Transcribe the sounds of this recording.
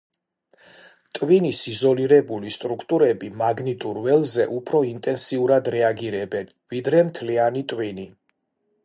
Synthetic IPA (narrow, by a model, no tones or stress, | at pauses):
t̪ʼwinisizɔliɾɛbulist̪ʼɾukʰt̪ʼuɾɛbimaɡnit̪ʼuɾvɛlˠzɛʔupʰɾɔint̪ʼɛnsiuɾad̪ɾɛaɡiɾɛbɛn | vid̪ɾɛmt̪ʰlianit̪ʼwini